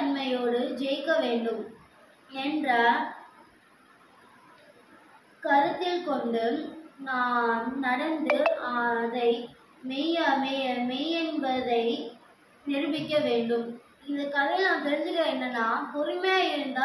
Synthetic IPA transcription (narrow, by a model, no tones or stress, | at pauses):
ɐɳmɐjoːɽɯd͡ʒɛjkːɐʋeːɳɖɯm | ɛndrɐ | kɐɾɯt̪ːɪlkɔɳɖɯnaːnnɐɽɐnd̪ɯɐðɐɪ | mɛjɐmɐmɛjɛnbɐðɐɪ | nɪɾɯbɪkːɐʋeːɳɖɯm | ɪnd̪ɐkːɐðɐɪnãːnt̪ɛɾɪnd͡ʒɪkːɐ̃ɛnːɐnːaːpʊɾɪmɐjaːɪɾɯnd̪a